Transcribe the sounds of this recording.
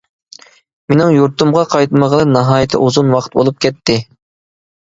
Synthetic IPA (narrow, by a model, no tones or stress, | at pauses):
menɪŋjuɾt̪umʁɑqʰɑjt̪məʁəlˠɨnɑɦɑːjɪt̪ʰɨ̰ʔuzunwɑqʰə̥t̪̚bo̰lˠup̚kʲɛt̪ʰːɪ